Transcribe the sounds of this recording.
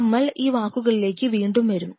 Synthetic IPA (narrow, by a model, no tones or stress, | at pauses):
mːɐɭiːʋaːkːuɣɐɭile̞ːkʲːɨʋiːɳɖumʋɐɾumː